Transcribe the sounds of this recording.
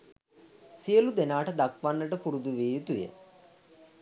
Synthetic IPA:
sijəlud̪enaːʈəd̪akʋanːəʈəpuɾud̪uʋeːjut̪ujə̰

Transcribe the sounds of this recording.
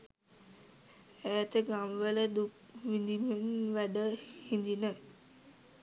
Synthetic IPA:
æːt̪əɡamʋələd̪uk | ʋind̪imenʋæɖəhind̪inə

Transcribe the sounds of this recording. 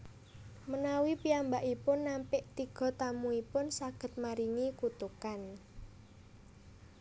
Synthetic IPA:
mənawipiambaʔipʊnːampɪʔt̪iɡ̥ɔ̤t̪amuipʊnsaɡ̥ə̤t̪̚maɾiŋikut̪ukan

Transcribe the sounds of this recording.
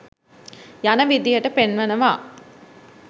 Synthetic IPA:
janəʋid̪ijəʈəpenʋənəʋaː

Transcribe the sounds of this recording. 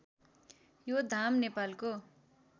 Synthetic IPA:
jod̪ʱamnepalko

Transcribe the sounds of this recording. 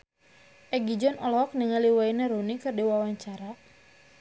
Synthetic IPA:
ʔɛɡid͡ʒɔnɔlɔk̚niŋaliwaineɾunikɨrdiwawaɲt͡ʃaɾa

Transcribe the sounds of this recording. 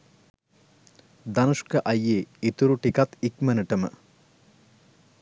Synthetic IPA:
d̪ɐnuʂkəʔɐjːeːit̪uɾuʈikat̪ikmənəʈəmə̰

